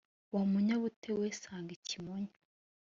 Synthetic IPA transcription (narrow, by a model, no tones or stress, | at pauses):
wamuɲaβutʰewesaːŋɡicimoɲḁ